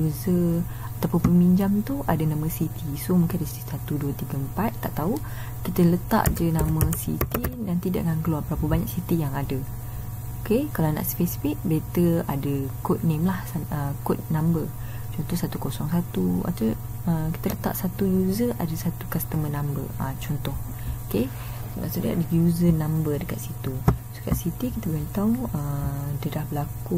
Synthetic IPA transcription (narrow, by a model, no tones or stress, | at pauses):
juzə | at̪awpʊnpəmiɲd͡ʒamt̪uʔadənãməsit̪isomũŋkɪnadisit̪isat̪uduət̪iɡəəmpat̪ːa̰ʔt̪au | kit̪ələt̪a̰ʔd͡ʒənamə̃sḭt̪idant̪ida̰ʔkankəluarbəɾapəbaɲaksit̪ijaŋadə | okekalana̰ʔspesfik̚bet̪əadəkot̪̚nẽmlahəkɔt̪̚nãmbə | t͡ʃɔnt̪ɔhsat̪ukosɔŋsat̪ua̰t̪ə | əki̥t̪ələt̪a̰ʔsat̪ujuzəʔa̰dəsat̪ukast̪əmə̃nãmbə̰ət͡ʃɔnt̪ɔh | oke | la̰sudəka̰ʔdəjuzənãmbədəkat̪̚sit̪uso̥ka̰ʔsit̪ikit̪əbəant̪auədədahbəlaku